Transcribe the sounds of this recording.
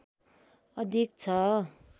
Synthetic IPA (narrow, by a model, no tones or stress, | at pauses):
ʌd̪ʱik̚t͡sʰʌ